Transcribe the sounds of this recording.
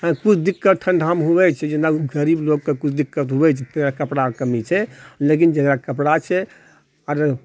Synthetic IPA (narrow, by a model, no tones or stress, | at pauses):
kut͡ʃʰd̪ikːətʈʰːənɖʱɦamɦubɛt͡ʃʰɛd͡ʒenaɡəɾibloɡ̚kekut͡ʃʰd̪ikːət̪ɦubɛt͡ʃʰɛt̪əɡɾakəpɽakəmit͡ʃʰɛlekind͡ʒəɡɾakəpɽat͡ʃʰɛ | əɾ